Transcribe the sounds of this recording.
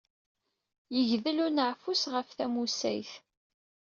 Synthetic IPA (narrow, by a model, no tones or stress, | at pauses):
jəʝðəlʊnəʕfusʁəfθæmusæ̰jθ